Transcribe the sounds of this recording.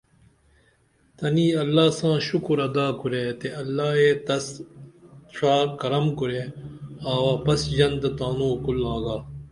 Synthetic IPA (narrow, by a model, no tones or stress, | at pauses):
t̪ɐniːɐlːaːsãːʃukɾɐd̪aːkuɾeːt̪eɐlːaːeːt̪ɐs | ʂʰaːkɐɾɐmkuɾeːaːwaːpɐsjɐnd̪t̪aːnũːkulːaːɡaː